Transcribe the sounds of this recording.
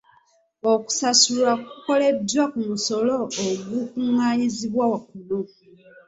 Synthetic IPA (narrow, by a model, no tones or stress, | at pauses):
oku̥sasulakuko̞ledwakumuso̞lo̞ːɡukumwaːɲiziβwawakuno